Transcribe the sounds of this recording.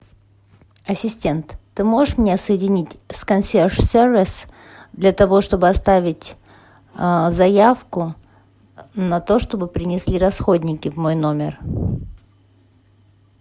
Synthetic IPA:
ɐsʲɪsʲtʲe̞nt̪ːɨmo̞ʐɨʂmnʲesəjɪdʲɪnʲitʲskɐnsʲerʂsʲervʲɪs | d̪lʲɐt̪ɐvo̞ʂt̪o̞bɨɐst̪avʲɪtʲ | zɐjafkʊ | nɐt̪o̞ʂt̪o̞bɨpɾʲɪnʲɪsʲlʲiɾɐsxo̞dʲnʲɪkʲɪvmo̞jno̞mʲɪr

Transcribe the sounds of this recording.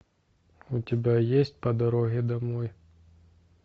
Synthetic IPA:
utʲɪbʲajesʲt̚ʲpɐd̪ɐɾɔɣʲɛd̪ɐmɔj

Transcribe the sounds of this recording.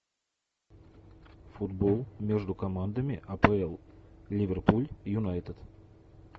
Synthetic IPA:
fʊd̪bolˠmʲeʐd̪ʊkɐmand̪əmʲɪʔɐpɛɛlˠlʲɪvʲɪrpulʲjʊnajt̪ət̪

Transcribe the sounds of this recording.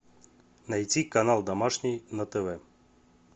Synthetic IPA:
najtʲikɐnalˠd̪amaʂnʲijnɐt̪ɛvɛ

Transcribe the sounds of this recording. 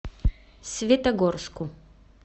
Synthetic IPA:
sʲvʲɛt̪ɐɡɔɾsku

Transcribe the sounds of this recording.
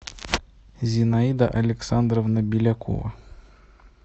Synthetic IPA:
zʲɪnaid̪ə̰ʔɐlʲɪksand̪rəvnəbʲɪlʲako̰və̰

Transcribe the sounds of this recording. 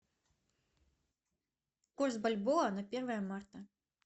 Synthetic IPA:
kuɾsbalʲbɔanapʲiɾvajamːaɾt̪a

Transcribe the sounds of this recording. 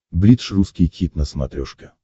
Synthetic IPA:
blʲit̪ʂruskʲɪjkʲit̪nəsmɐ̰t̪ɾʲɔʂkʲɪ

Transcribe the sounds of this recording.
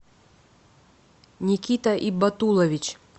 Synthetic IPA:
nʲikʲit̪ɐʔibɐt̪ulˠɐvʲit͡ɕ

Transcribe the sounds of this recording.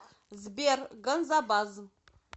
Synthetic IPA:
zbiaɾɡanzabazm

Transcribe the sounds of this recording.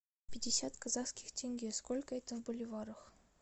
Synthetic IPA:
pʲɪdʲɪsʲat̪kɐzaxskʲɪ̥xtʲeŋʲɡʲeskolʲkəɛt̪əvbʊlʲɪvaɾəx

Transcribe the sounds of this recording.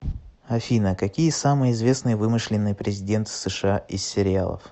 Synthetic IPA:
ɐfʲinəkɐkʲijəsamɨjɪzvʲe̞snɨjəvɨmɨʂlʲɪnːɨjpɾʲɪzʲɪdʲe̞nt̪sɨʂɨaɪssːʲɪɾʲɪa̰lˠə̰f

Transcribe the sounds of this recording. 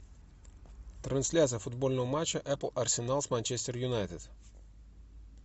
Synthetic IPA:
t̪ɾɐnsʲlʲat̪sɨjəfʊd̪bo̞lʲnəvəmat͡ɕːəʔɛpəlˠɐrsʲɪnalˠsmanʲt͡ɕesʲt̪ʲərjʊnajt̪ɪd̪

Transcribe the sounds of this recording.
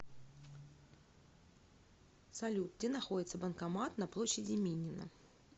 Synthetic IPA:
sɐlʲut̪̚ɡdʲɪnɐxo̞dʲɪt̪səbənkɐmat̪nɐplˠo̞ɕːɪdʲɪmʲinʲːɪnə̰

